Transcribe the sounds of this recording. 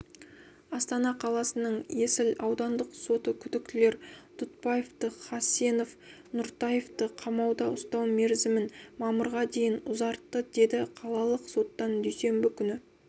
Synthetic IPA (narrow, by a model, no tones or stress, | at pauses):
ɑst̪ɑnɑqʰɑlˠɑsənəɴje̞sɪlɑwd̪ɑnd̪əqso̞t̪əkʲʰʏd̪ɪk̚t̪ɪle̞ɾt̪ʰʊt̪̚pɑjeft̪əχɑseno̞f | nʊɾt̪ɑjeft̪əqʰɑmɑwd̪ɑʊst̪ɑwme̞ɾzɪmɪnmɑməɾʁɑd̪e̞jɪnʊzɑɾt̪ːəd̪e̞d̪ɪqʰɑlˠɑlˠəqso̞t̪ːɑnd̪ʏjse̞mbɪkʲʰʏnɪ